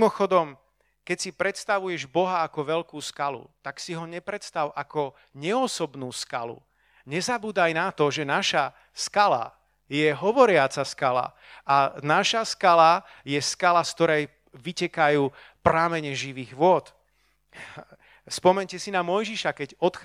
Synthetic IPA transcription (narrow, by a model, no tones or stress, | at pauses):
mɔxɔd̪ɔm | kɛcsipɾɛt̪st̪aʋujɛʒbɔɦaːkɔʋɛʎkuːskalṵt̪aksiɦɔɲɛpɾɛt̪st̪aʊʔakɔ | ɲɛɔsɔbnuːska̰lṵ | ɲɛzabuːd̪ajnat̪ɔʒɛnaʃa | skala̰ | jɛɦɔʋɔɾɪat͡saskala̰ | anaʃaskala | jɛskalaskt̪ɔɾɛj | ʋicɛkajuː | pɾamɛɲɛʒiʋiːɣʋʊɔt̪ | spɔmɛɲcɛsinamɔjʒiʃakɛɟɔt̪